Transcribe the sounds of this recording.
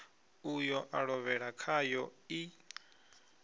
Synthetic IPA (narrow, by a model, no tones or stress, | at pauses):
ujɔʔaɺɔβɛɺakʰajɔi